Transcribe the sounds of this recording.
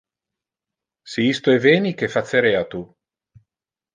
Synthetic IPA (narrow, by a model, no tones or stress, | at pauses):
siist̪oeveːnik̟efat̪sːeɾeat̪u